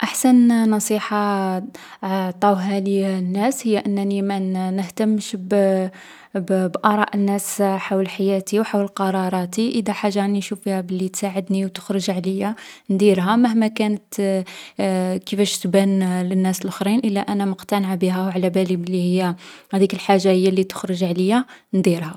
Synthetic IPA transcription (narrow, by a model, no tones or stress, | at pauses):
ʔaħsænnɑsˤiħɑ | ʕt̪ˤɑwɦælinːæshəjːaʔənːnimænəht̪əmːʃb | bbʔɑɾˤɑʔənːæsħawlħajæt̪iwħawləlqɑɾˤɑɾˤɑt̪iʔəd̪æħaʒːaninʃufihæbəlːit̪saʕəd̪niwt̪ə̥xɾəʒʕləjːand̪iɾɦæməhmækænət̪ | kifæʃt̪bænlənːæsəlʔəxɾˤinʔəlːæʔænæmʊqt̪ænəʕbiɦæwʕlæbælibəlːihəjːæhæd̪ikəlħaʒːahəjːalːit̪ə̥xɾəʒʕləjːand̪iɾha